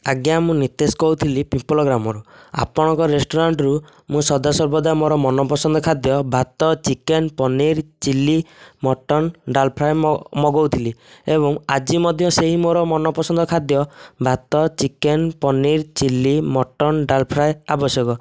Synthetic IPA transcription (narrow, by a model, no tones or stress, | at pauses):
aɡjamũnit̪eskɔwt̪ʰilipipɔlɔɡɾamɔɾua̰pɔɽ̃ɔ̃ŋkɔɾesʈɔɾaɳʈɾu | mũsɔd̪asɔɾbɔd̪amoɾɔmɔnɔpɔsɔnd̪ʱɔkʰad̪jɔbʱat̪ɔt͡ʃikenpɔniɾt͡ʃilimɔʈɔnɖalpʰɾajmɔɡɔwt̪ʰiliebɔŋad͡ʒimɔd̪ʱjɔseɦimoɾɔmɔnɔpɔsɔnd̪ʱɔkʰad̪jɔbʱat̪ɔt͡ʃikenpɔniɾt͡ʃilimɔʈɔnɖalpʰɾajabɔsjɔkɔ